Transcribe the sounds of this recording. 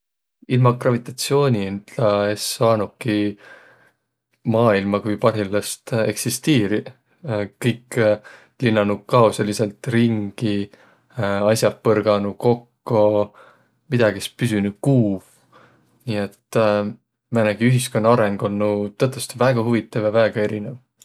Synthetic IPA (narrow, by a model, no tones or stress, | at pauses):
ilmɑɡrɑvit̪ˑɑt̪sio̞ːnʲiind̪̥lɑesːɑːnuki | mɑːilmɑkujpɑrɦilːɑst̪e̞̰ksist̪iːɾi | kɤjk | linːɑnukɑosɑlise̞lt̪riŋɡ̥i | ɑsʲjɑpːɤrɡ̥ɑnuko̞kːo | mid̪̥ɑɡ̥iespysynu̥kuːv | niːet̪ː | mænæɡ̥iyɦisko̞nːɑɑɾe̞ŋɡ̥o̞nːut̪ɤt̪ːˑest̪ivæːɡ̥ɑhuvit̪ːˑɑvjɑvæːɡ̥ɑe̞ɾinev